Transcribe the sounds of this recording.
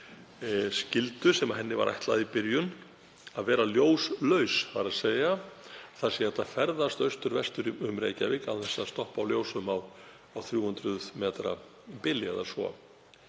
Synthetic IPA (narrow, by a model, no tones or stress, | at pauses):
scɪlt̪ʏsɛmaɦɛnːɪva̰ɾʔa̰jht̪laðipɪɾjʏn | aðvɛːɾaljoːwslœɥshaɾaðseːjaθḁsjɛɛht̪afɛɾðast̪œɥst̪ʏɾvɛst̪ʏɾʏmɾḛːjcavɪkawθɛsast̪ɔhpawljoːwsʏmaw | awθɾjuːhʏnt̪ɾʏðmɛːt̪ɾa̰ | pɪlːɪɛ̰ðasvɔ̰